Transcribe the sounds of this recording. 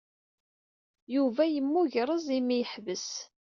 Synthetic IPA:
juvæjəmːuʝɾˤəzˤimijəħvəs

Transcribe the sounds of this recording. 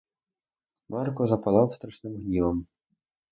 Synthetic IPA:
markɔzɐpalˠawst̪ɾaʂnɨmɣnʲivɐm

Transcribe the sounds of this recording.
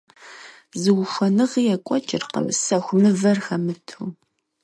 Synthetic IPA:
zɨwʃʷɐnɨʁijɛkʷʼɔt͡ʃʼɪrqə̰msɐxʷmɨvɐrxɐmɨtʰuː

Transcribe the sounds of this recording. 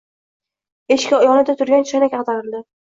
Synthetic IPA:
eʃkʲjɒnɪd̪at̪ʰʊɾɡʲant͡ʃʰanakʲɑqt̪ʰaɾɪld̪ɪ

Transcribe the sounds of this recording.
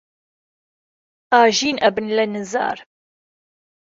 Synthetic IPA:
aːʒiːnɐbɨnlɐnɨza̰ːɾ

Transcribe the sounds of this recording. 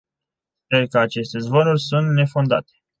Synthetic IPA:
sperkəat͡ʃe̞st̪e̞zvonurʲsunt̪ne̞fo̞nd̪a̰t̪e̥

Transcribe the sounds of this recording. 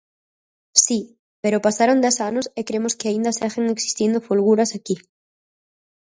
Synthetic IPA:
si | peɾopasaɾond̪ɛsanosekɾemoskeaind̪ɐseɣeŋeksi̥st̪ind̪ofulɣuɾɐsaki

